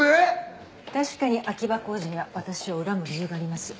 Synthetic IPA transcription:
e | t̪aɕi̥kaɲ̟iʔakʲibako̞ːʑiɲ̟iβaβat̪aɕio̞ɯ̟ɾamɯ̟ɾʲijɯ̟ːɡaːɾʲimasɨ̥

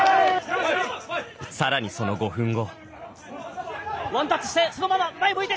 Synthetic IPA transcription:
saɾaɲ̟iso̞no̞ɡo̞ɸɯ̟̃ŋɡo̞ | βãnt̪at͡sɨ̥ɕt̪eso̞nomamamaimoid̪e

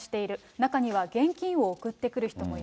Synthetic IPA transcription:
ɕi̥t̪e̞iɾɯ̟ | nakaɲ̟iβaɡẽ̞ŋkʲĩɰ̃o̞ːkɯ̟t̪ːe̞kɯ̟ɾɯ̟çi̥t̪o̞mo̞i

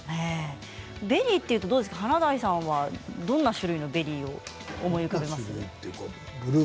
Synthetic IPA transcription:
ne | be̞ɾʲiːt̪ːe̞iɯ̟t̪o̞d̪oːd̪esɨ̥kaɦanad̪aisãɰ̃βad̪õ̞nːaɕɨɾɯ̟ino̞be̞ɾʲiːo̞ː | mo̞iɯ̟kabe̞massɨ̥t̪ːeko | bɯɾɯ

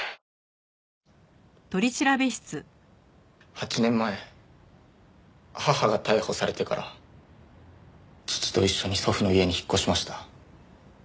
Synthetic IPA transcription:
t̪o̞ɾʲit͡ɕiɾabe̞ɕi̥t͡sɨ | hat͡ɕinẽ̞mːae̞ | hahaɡat̪aiho̞saɾet̪e̞ka̰ɾa̰ | t͡ɕɨ̥t͡sɨ̥t̪o̞iɕːo̞ɲ̟iso̞ɸɯ̟no̞ie̞ɲ̟içi̥kːo̞ɕimaɕi̥t̪ḁ

